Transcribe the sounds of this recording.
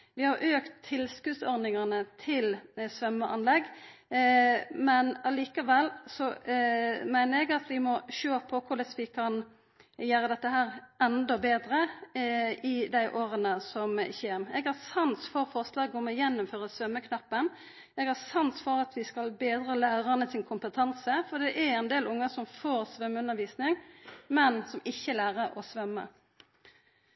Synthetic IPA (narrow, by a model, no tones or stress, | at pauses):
ʋɪhɑɾʔøːkt̪ʰːɪlskʉːsɔɾnɪŋɑnət̪ʰɪlsʋœməʔɑ̰nlɛɡː | mɛnɑliːkɑʋɛlːsɔ | mæɪnəɾɛɡɑt̪ʋɪmɔʃøːpʰɔkʰʊɖ̪əsʋɪkʰɑn | jøːɾəd̪ɛt̪ːəɦæːɾʔɛnd̪ɔbeːd̪ɾə | ɪd̪æɪʔoːɾənəsɔmçeːmɛɡhɑʁsɑnsfɔɾfɔʁslɑːɡɔmɔjɛnːʊmføːʁəsʋœmːəkʰnɑpːən | ɛɡhɑsɑnsfɔɾɑt̪ʋɪskɑlbeːd̪ɾəlæːʁɑnəsɪnkʰʊmpət̪ʰɑnsəfɔd̪ɛʔɛɾɛnd̪eːlʊŋːəsɔmfoːɾsʋœmːʉnːəʋiːsnɪŋmɛnsɔmɪçːəlæːɾəɾɔsʋœmːə̰